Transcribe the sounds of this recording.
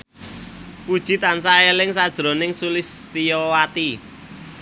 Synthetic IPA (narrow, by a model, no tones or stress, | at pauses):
kud̥ʒ̥i̤t̪ansaelɪŋsad̥ʒ̥ɾo̤nɪŋsulɪst̪ijɔwat̪i